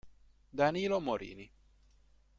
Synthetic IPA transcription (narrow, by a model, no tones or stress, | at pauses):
d̪anilomoɾḭni